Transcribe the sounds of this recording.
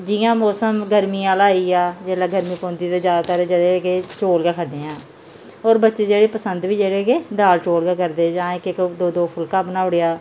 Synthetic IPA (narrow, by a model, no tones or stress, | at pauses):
d͡ʒɪːjãːmɔːsəmɡəɾmiːaːlaːiːaːd͡ʒɛːlaːɡəɾmiːpõːnd̪iːt̪aːd͡ʒjaːd̪aːt̪aːɾɛːd͡ʒəd̪eɡeːt͡ʃoːlɡaːkʰəɖẽːãː | oːɾbətːʃeːd͡ʒeːɽeːpəsənd̪ʋiːd͡ʒeːɽeːɡeːd̪aːlt͡ʃoːlɡaːkəɾd̪eːd͡ʒãːɪkɪkd̪oːd̪oːpʰʊlkaːbənaːʊɽeːaː